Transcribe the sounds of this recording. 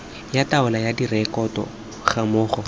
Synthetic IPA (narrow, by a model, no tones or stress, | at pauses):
jataʊlajadirɛkɔtɔ̰ | χamʊːχɔ